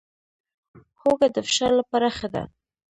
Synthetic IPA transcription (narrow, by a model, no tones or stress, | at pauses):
xoɡad̪əfʃalapaɾaxad̪a̰